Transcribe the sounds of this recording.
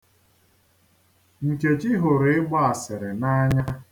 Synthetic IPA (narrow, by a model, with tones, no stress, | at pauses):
n̩˨t͡ʃe˨t͡ʃi˦ɦʊ˨ɾe˨ɪ˦ɡ͡bɔ˦a˨sɪ˨ɾɪ˨na˦ɲa˦